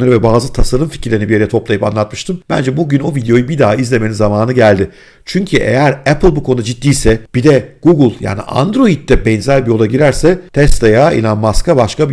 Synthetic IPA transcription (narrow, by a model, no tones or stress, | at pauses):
aɾɯvɛbaːzɯt̪ʰasaɾɯmfi̥cʰiɾlʲeinibij̞ɾɛt̪ʰo̞plˠajɯpa̰nlˠat̪̚mɯʃt̪ʰɯmb̥æ̰nd͡ʒɛbuɟyno̞vid̪ejo̞jɯbid̪aːizlʲe̞meimzamaːnɯɟælʲd̪ɪ | t͡ʃʰyɲcʰyʔḛjæɾɛpʰɯlˠbukʰoud̪ad͡ʒit̪ːiːsɛb̥id̪ɛɡ̥uɡɯlˠja̰ːnḭʔa̰nd̪ɾo̞id̪̚d̪ɛbɛnzælʲbijo̞lˠaɟiɾæɾsɛt̪ʰɛst̪ʰajaḭnanmaskabaʃkabi